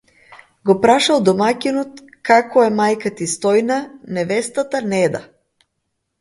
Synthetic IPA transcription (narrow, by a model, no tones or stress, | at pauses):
ɡɔpɾaʃalˠd̪ɔmakʲinɔt̪ | kakɔɛmajkat̪ist̪ɔjnanɛvɛst̪at̪anɛd̪a